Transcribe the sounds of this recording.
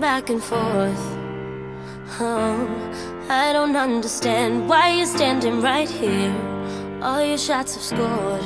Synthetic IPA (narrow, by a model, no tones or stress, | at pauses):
bækɨ̃nfɔɹθ | oʊ | aɪɾõʊ̃ntʌ̃ndə˞stæ̃nd̚waɪjɨstæ̃ndɪ̃ŋɹaɪt̚hiɹ | ʔɔlˠjə˞ʃɑtsʌv̥skɔɹd̥